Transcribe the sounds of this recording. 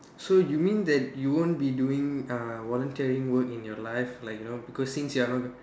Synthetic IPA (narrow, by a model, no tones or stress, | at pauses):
sojumĩnd̪ɛt̚juwõnbiduĩŋawɔlə̃ntiɹĩŋwəkĩnjɔlajflaɪkjunobikɔsːĩnsjuanɔt